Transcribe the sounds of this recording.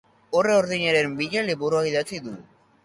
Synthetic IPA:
oreoɾðiɲaɾembiʎaliboɾoaiðat͡siðu

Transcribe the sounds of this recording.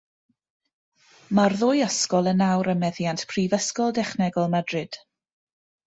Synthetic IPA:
marðʊːjəskɔlˠənawɾəmɛðjantpʰrivəskɔlˠdɛχnɛɡɔlˠmadrɪd̥

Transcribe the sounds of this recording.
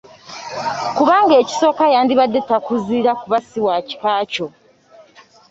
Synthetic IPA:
kuβaːŋɡe̞ːci̥so̞ːkajaːndiβadːetakuziːɾakuβasiwaci̥kaːco̞

